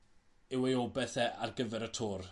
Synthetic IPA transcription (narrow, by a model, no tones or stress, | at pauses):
ɪwejɔbɛθɛʔarɡəvɛɾətʰoːr